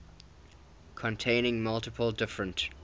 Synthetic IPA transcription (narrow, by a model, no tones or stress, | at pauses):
kʰə̃ntʰẽɪ̃nɪ̃ŋmʌlˠtɪpʰəlˠdɪfɹə̃nt